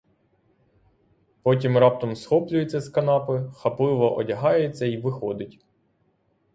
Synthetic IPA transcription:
pɔtʲimrɑp̚t̪ɐmsxɔplʲʊjet͡sʲːɐskɐnɑpɪxɐplˠɪʋɔʔɔdʲɐɦɑjet͡sʲːɐiʋɪxɔd̪ɪtʲ

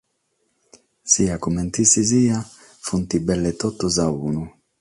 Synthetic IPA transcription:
siakumɛnt̪isizia | funt̪ibɛlːet̪ɔt̪ːozaunu

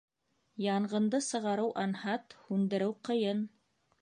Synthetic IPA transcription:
jɑɴɢɤ̆nd̪ɤsɤ̆ʁɑɾɤwʔɑnhɑt̪hʉnd̪ɘ̆ɾɘwqɤ̆jɤn

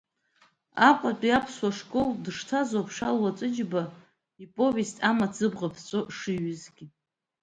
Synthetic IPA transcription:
aqʷʼatʷʼiapʰswaʂkʼoldɨʂtʰazapʰʂalwat͡sʷʼɨd͡ʒba | ipʼo̞vestʼamat͡sʰɨbʁapʰt͡sʷʼoʂɨɥʏzɡʲi

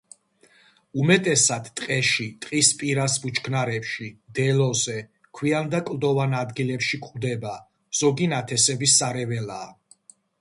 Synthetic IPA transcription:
umɛt̪ʼɛsad̪̥t̪ʼqʼɛʃit̪ʼqʼispʼiɾasbut͡ʃʰkʰnaɾɛpʃid̪ɛlɔzɛ | kʰwiand̪akʼlˠd̪ɔvanad̪ɡilɛpʃikʼvd̪ɛba | z̥ɔɡinat̪ʰɛsɛbisːaɾɛvɛlaː

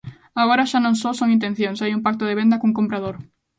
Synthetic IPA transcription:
aɣoɾɐʃanõŋsosoŋint̪ẽn̟θjoŋsajumpak̚t̪ʊðeβ̞end̪ɐkuŋkompɾað̞oɾ

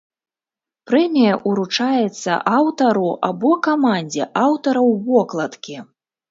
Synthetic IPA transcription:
pɾɛmʲijɐʔuɾut͡ʂajɛt̪sːɐ̰ʔawt̪ɐɾuʔabɔkamanʲd͡zʲɛʔawt̪ɐɾɐwːɔklˠɐt̪kʲi

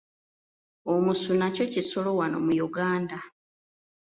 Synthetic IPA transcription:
omusunaco̞ciso̞lo̞wano̞̰mujuɡaːnda

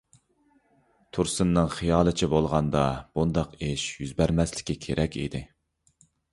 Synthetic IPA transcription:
t̪ʰuɾsɨnːɨŋχijɑːlˠɨt͡ʃʰibolˠʁɑnd̪ɑb̥und̪ɑqeʃjyzbæɾmɛslɪ̥kʲikʲʰeɾʔɛkʲḭd̪ɪ

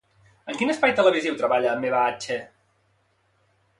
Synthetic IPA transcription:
əŋkinəspajt̪ələβiziwt̪ɾəβaʎəːmːeβaat͡ʃe

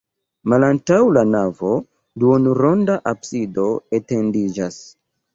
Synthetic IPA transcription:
malantawlanavo̞ | duonuɾo̞ndaʔabsido̞ete̞ndid͡ʒas

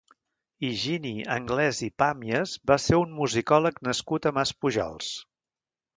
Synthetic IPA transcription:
iʒiniə̰ŋɡlɛzipamiəzbaseunmuzikɔləknəskut̪əmaspuʒɔ̰lˠs

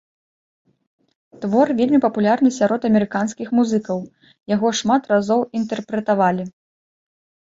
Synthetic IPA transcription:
t̪vɔrvʲelʲmʲipɐpulʲarnɨsʲaɾɔt̪ɐmʲɛɾɨkanskʲixmuzɨkɐw | jaɣɔʂmat̪razɔwint̪ɛrpɾɛt̪avalʲi

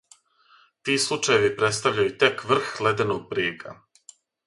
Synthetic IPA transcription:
t̪iːslˠut͡ʃajeʋipɾe̞t̪st̪aʋʎajut̪e̞kʋr̩xle̞d̪enoɡ̚pɾiːkʰa̰

